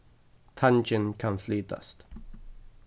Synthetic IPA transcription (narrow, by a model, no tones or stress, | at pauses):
t̪ʰant͡ʃɪ̃nkʰãnfliːd̪ə̰st